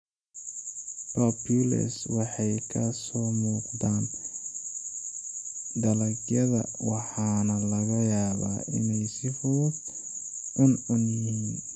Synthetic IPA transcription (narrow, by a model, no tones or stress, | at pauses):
pʰapʰjʊlɐ̰swɑħɑjkʰɐsɔːmuːqd̪aːn | d̪ɐlɐɡjɐðɐ̰wɑħɑːnɐlɐɣɐjaːβa̰ːʔɪ̰nɛjsɪfʊʊb̚ | ʊnʊnjɪhiːn